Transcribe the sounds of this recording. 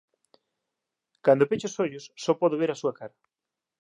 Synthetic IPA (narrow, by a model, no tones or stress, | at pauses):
kand̪opet͡ʃosoʎʊsːɔpɔðoβeɾasuɐkaɾɐ